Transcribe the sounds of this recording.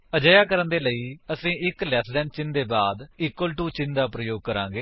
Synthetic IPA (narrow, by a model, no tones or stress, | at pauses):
əd͡ʒəjaːkəɾənd̪eːləiːəsĩːɪklɛːt̪ʰlɛ̃ːɳɖt͡ʃɪnd̪eːbaːd̪iːkːwəlʈuːt͡ʃɪnd̪aːpɾəjoːɡ̚kəɾã̰ːŋɡeː